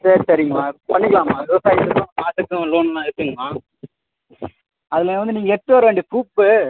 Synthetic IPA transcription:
sɐɾt̪ɐɾɪjmmaːpɐɳːɪkːɐlaːmaːʋɪʋɐsaːjɪt̪ːɯkːɯ̃paːt̪ːɯkːɯ̃loːnnãːɛɾɯt̪ːɯŋɡɐmaː | ɐðɪlɐ̃ʋɐnd̪ɯniːŋɡɐɛʈːoːɾeɳɖɯpuːpːɯ

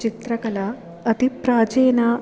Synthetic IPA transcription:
t͡ʃit̪ɾɐkɐla | ɐt̪ipɾaːd͡ʒeːna

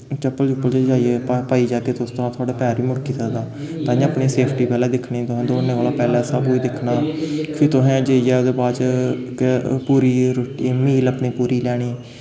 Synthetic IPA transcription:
t͡ʃəpːəlt͡ʃəpːəld͡ʒeld͡ʒaːieːpːpaːiːd͡ʒaːkeːt̪ʊst̪əɾãːt̪ʊaːɖeːpɛːɾʋiːmʊɽkiːt̪aːd̪aː | t̪ãːəpniːseːpʰʈiːpɛːlɛːd̪ɪkʰɳiːt̪ʊɦɛ̃ːd̪oːneːʋaːlaːpɛːlɛːsəbiːd̪ɪkʰnaːpʰɪt̪ʊɦɛ̃ːd͡ʒeiːɛːod̪eːbaːt͡ʃkpuːɾiːɾoʈimiːləpɳiːpuːɾiːlɛːɽ̃iː

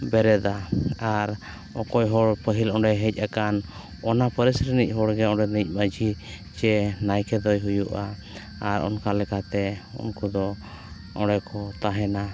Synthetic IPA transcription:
bɛɾɛd̪aaɾ | ɔkɔjɦɔɽpəɦilɔ̃ɖɛɦɛc̚ˀakan | ɔnapəɾɛsɾənic̚ˀɦɔɽɡɛɔɖɛnic̚ˀməd͡ʒi | t͡ʃɛnajkɛd̪ɔjɦujuʔa | aɾɔ̰nkalɛkat̪ɛṵnkɔd̪ɔ | ɔ̃ɽɛkɔt̪aɦɛna

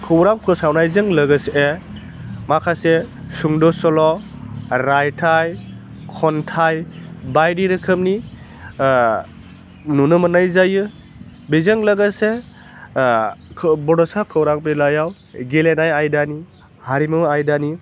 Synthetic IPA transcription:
kʰɯwɾaŋpʰɯsawnajzɯŋləɡɯsee | makʰasesuŋdɔsɔlɔ | ɾajtʰaj | kʰɔntʰajbajdiɾɯkʰɯmni | nunɯmɯnajzajɯ | bezɯŋlɐɡɯse | bɔdɔsakʰɯwɾaŋpelajaw | ɡelenajajdani | haɾimɯajdani

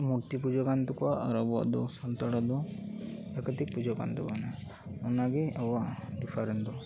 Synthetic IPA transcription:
muɾt̪ipud͡ʒɔkant̪ɔkɔaʔaɾɔbua̰ʔd̪ɔ̰sɔnt̪aɽad̪ɔ | ɛkət̪ik̚pud͡ʒɔka̰nt̪ɔkana | ɔnaɡɛawaʔɖipʰaɾɛnd̪ɔ

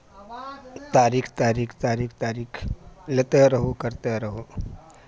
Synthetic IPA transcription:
t̪aːɾiːkʰt̪aːɾiːkʰt̪aːɾiːkʰt̪aːɾiːkʰlet̪eɾɐɦokɐɾt̪eɾɐɦoː

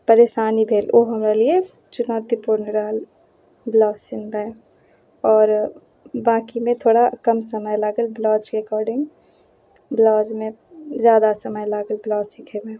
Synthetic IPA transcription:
pɐɾeːʃaːnibʱeːloɦɐmɾelie | t͡ʃʊnaːt̪ipʊɾnɪɾaːl | blɔːsɪnbɛ̃ | ɔːɾ | bãːkimẽt̪ʰoːɽakɐmsɐməjlaːɡəlblɔːd͡ʒɾekɔːɾɖɪ̃ŋɡ | blɔːd͡ʒmẽzjaːd̪asɐməjlaːɡəlblɔːsɪkʰebẽ

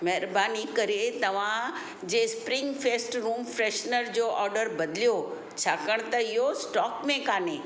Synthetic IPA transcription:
mɛɦɾbaːnikəɾet̪əʋ̤ã | d͡ʑespɾɪŋɡfʰesʈɾuːmfɾeʃnəɾd͡ʑoʔɔːɾɖəɾbəd̪ljo | t͡ɕʰakəɳ̃t̪əɪjosʈɔːkmẽkaːnẽ

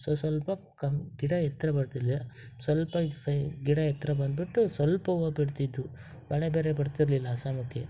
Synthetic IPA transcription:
sosʋɐlpɐkɐɡiɽɐjɛt̪ːɾɐbɐɽt̪iɾliɐsʋɐlpɐsɐɡiɽɐjɛt̪ːɾɐbɐnd̪̚biʈːusʋɐlpɐʋɐbiɽt̪id̪ːu | bɐɭebeːɾebɐɽt̪iɾlilːɐːsaːmukʰːje

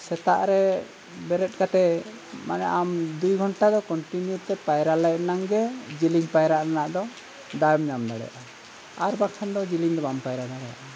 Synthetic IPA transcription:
sɛt̪aʔɾɛ | bɛɾɛt̪̚ˀkat̪ɛ | manɛ̰ʔamd̪ujɡʱɔɳʈad̪ɔkɔɳʈinjut̪ɛpajɾalajnaŋɡɛd͡ʒiliŋpajɾaʔɾanaʔd̪ɔ | d̪ajmɲamd̪aɽɛ̰jaʔa | aɾbakʰand̪ɔd͡ʒiliŋd̪ɔbampajɾad̪aɽɛja̰ʔa

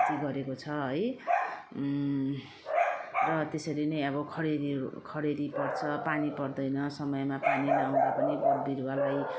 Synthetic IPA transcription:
t̪iɡʌɾekot͡sʰʌɦʌj | rʌt̪esʌɾinʌjʌbʌkʰʌɾeɾikʰʌɾeɾipʌrt͡sʰʌpanipʌrd̪ʌjnʌsʌmʌjemapanilaaw̃d̪apʌnibʌɽbiɾwalaj

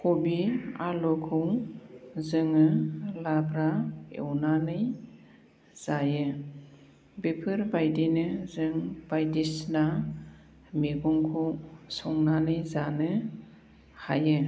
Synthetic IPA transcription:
kʰɔbia̰lɔkʰɯw | zɯŋɯlabɾaḛwnanɯj | z̥ajɯ | bepʰɯɾbajdinɯzɯŋb̥ajdisna | meɡɔŋkʰuwsɔŋnanɯjzanɯ | ha̰jɯ

